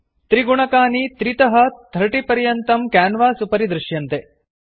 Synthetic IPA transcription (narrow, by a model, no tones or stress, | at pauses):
t̪ɾiɡuɳɐkaːnit̪ɾit̪ɐɦɐt̪ʰɾɐʈipɐɾjɐnt̪ɐmkaːnʋaːsupɐɾid̪ɾuʃjɐnt̪e